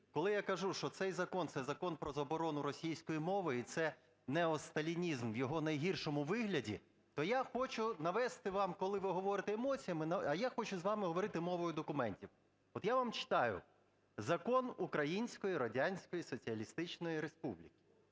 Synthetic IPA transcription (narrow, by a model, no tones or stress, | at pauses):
kɔlˠɪjakɐʒuʃt͡ʃɔt̪sɛjzɐkɔnt̪sɛzɐkɔnpɾɔzɐbɔɾɔnʊɾɔsʲijsʲkɔjimɔʋɪit̪sɛ | nɛɔst̪ɐlʲinʲizmʋjɔɦɔnɐjɦirʃɔmʊʋɪɦlʲɐdʲḭ | t̪ɔjaxɔt͡ʃʊnɐʋɛst̪ɪʋɑmkɔlˠɪʋɪɦɔʋɔɾɪt̪eːmɔt͡sʲijɐmɪnɐɐjaxɔt͡ʃʊzʋɑmɪɦɔʋɔɾɪt̪ɪmɔʋɔjʊd̪ɔkʊmɛnʲtʲiw | ɔt̪jaʋɑmt͡ʃɪ̥t̪ɑjʊ̰ | zɐkɔnukɾɐjinʲsʲkɔjiɾɔdʲanʲsʲkɔjisɔt͡sʲiɐlʲist̪ɪt͡ʃnɔjiɾespublʲikʲɪ̥